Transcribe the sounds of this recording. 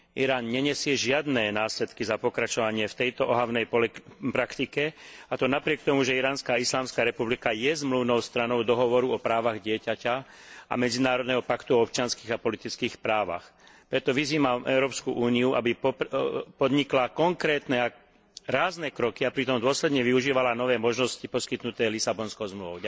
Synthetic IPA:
ʔiɾaːnɲɛɲɛsɪɛʒɪad̪nɛːnaːsʎɛt̪kizapɔkɾat͡ʃɔʋaɲɪɛft̪ɛjt̪ɔʔɔɦaʊnɛjppɾakt̪ikɛat̪ɔnapɾɪɛk̚t̪ɔmuʒɛiɾaːnskaːislaːmskaːɾɛpublikajɛzmluʊnɔʊst̪ɾanɔʊd̪ɔɦɔʋɔɾuɔpɾaːʋaɣɟɪɛcaca | a̰mɛd͡zinaːɾɔd̪nɛɦɔpakt̪uɔɔp̚t͡ʃɪanskiːɣapɔlit̪it͡skiːxpɾaːʋa̰x | pɾɛt̪ɔʋiziːmamʔɛ̰ʊɾɔːpskuʔuːniuʔa̰bi | pɔd̪ɲiklakɔŋkɾɛːt̪nɛa | ɾaːznɛkɾɔkiapɾit̪ɔmd̪ʊɔslɛd̪ɲɛʋiuʒiːʋalanɔʋɛːmɔʒnɔscipɔskit̪nut̪ɛːlisabɔnskɔʊzmluʋɔʊ

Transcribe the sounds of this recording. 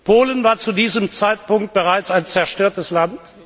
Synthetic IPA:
pʰoːlənvaːɐt͡sudiːzəmt͡saɪt̚pʊŋk̚t̚b̥əʁaɪt͡saɪnt͡sɛɐʃtøːɐtəslant

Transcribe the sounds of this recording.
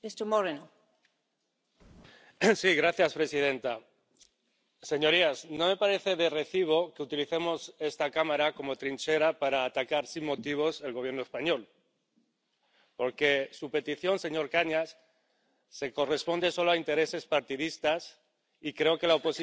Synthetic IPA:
est̪omoɾeno | siɣɾaθjaspɾe̞sið̞e̞nt̪a | se̞ɲo̞ɾiasno̞me̞paɾe̞θe̞ðe̞re̞θiβ̞o̞keut̪iliθe̞mo̞se̞st̪akamaɾako̞mo̞t̪ɾint͡ʃe̞ɾapaɾaːt̪akaɾsimmo̞t̪iβ̞o̞se̞lɣoβje̞ɾnoespaɲo̞l | po̞ɾke̞supe̞t̪iθjo̞nse̞ɲo̞ɾkaɲasː | e̞ko̞re̞spo̞nd̪e̞so̞lo̞aint̪e̞ɾe̞se̞spaɾt̪iðist̪as | ikɾe̞o̞ke̞laopo̞si

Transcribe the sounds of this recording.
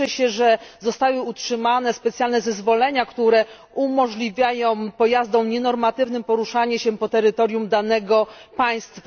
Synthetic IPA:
ɛɕɛʐɛzɔst̪awɘutʂɘmanɛspɛt̪sʲjalnɛzɛzvɔlɛɲakt̪uɾɛ | umɔʐlʲivʲjajɔ̃w̃pɔjazd̪ɔ̃w̃ɲɛnɔɾmat̪ɘvnɘmpɔɾuʂaɲɛɕɛpɔt̪ɛɾɘt̪ɔɾʲjumd̪anɛɡɔpaj̃st̪fa

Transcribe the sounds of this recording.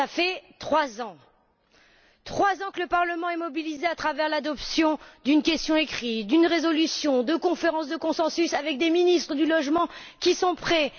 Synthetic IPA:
afɛt̪χwazɑ̃ | t̪χwazɑ̃kələpaʁləmɑ̃ɛmɔbilizeat̪χavɛʁlad̪ɔpsjɔ̃d̪ynkʲɛst̪jɔ̃ekχit̪d̪ynʁezɔlysjɔ̃d̪əkɔ̃feʁɑ̃sd̪əkɔ̃sɑ̃sysavɛk̚d̪eminist̪χəd̪ylɔʒmɑ̃ | kʲisɔ̃pχɛ

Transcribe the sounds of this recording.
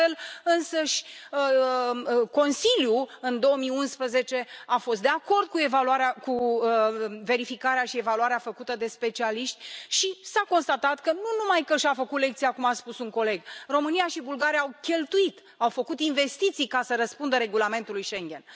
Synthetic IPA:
elɨnsəʃʲə | ko̞nsilʲjuɨnd̪o̞wəmijunspɾəze̞t͡ʃe̞afo̞s̬t̪d̪eako̞rd̪̚kue̞valuaɾeaku | ve̞ɾifikaɾeaʃie̞valuaɾeafəkut̪əd̪e̞spe̞t͡ʃialiʃt̪ʲʃisako̞nst̪at̪at̪kənunumajkəʃafəkut̪le̞k̚t̪sijakumaspusuŋko̞le̞ɡro̞mɨnijaʃibulɡaɾijaːwkʲe̞lt̪uit̪ | awfəkut̪inve̞st̪it̪sijkasəɾəspund̪əɾe̞ɡulame̞nt̪ulujʃe̞ŋɡʲe̞n

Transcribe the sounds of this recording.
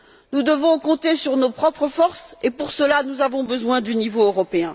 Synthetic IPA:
nud̪əvɔ̃kɔ̃t̪esyʁnopχɔpχəfɔʁsepuʁsəlanuzavɔ̃bəzwɛ̃d̪ynivoøʁɔpeɛ̃

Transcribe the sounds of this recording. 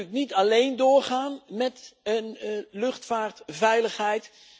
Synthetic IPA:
knitɑlejndʊːɹχaːnmɛtənlɵχtfaːɹtvɛjləχɦɛjt

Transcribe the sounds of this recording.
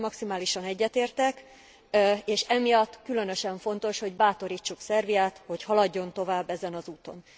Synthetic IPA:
mɒksimaːliʃɒnɛɟːɛt̪eːrt̪ɛk | eːʃɛmijɒt̪ːkylø̞nøʃɛɱfo̞n̪t̪o̞ʃho̞ɟbaːt̪o̞ɾiːt͡ʃːuksɛrvijaːt̪ho̞chɒlɒɟːo̞nt̪o̞vaːbːɛzɛnɒzuːt̪o̞̰n

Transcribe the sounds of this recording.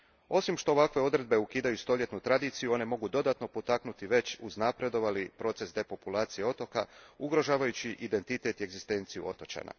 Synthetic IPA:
o̞simʃt̪o̞ːʋakʋe̞o̞d̪ɾe̞d̪̚be̞ukiːd̪ajust̪o̞ʎʲje̞t̪nut̪ɾad̪iːt̪sijuo̞ne̞mo̞ɡud̪o̞d̪at̪no̞po̞t̪aknut̪iʋe̞t͡ɕuznapɾe̞d̪o̞ʋalipɾo̞ːt̪se̞sd̪e̞po̞pulˠaːt̪sije̞o̞t̪o̞kauɡɾo̞ʒaːʋajut͡ɕiʔid̪e̞nt̪it̪e̞t̪ie̞ɡzist̪e̞ːnt̪sijṵo̞t̪o̞t͡ɕa̰na̰

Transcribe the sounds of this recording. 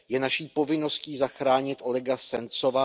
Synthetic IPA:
jɛnaʃiːpo̞vɪno̞sciːzaxɾaːɲɪt̪ʔo̞lɛɡasɛnt͡so̞va

